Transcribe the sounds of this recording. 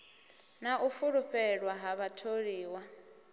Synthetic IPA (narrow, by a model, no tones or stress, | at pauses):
naʔufuɺuɸɛɺwaɦaβatʰoɺiːwa